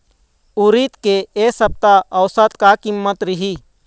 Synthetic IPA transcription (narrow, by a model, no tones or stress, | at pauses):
uɾit̪keesəb̚t̪aɐwsət̪kakimːət̪ɾɪɦi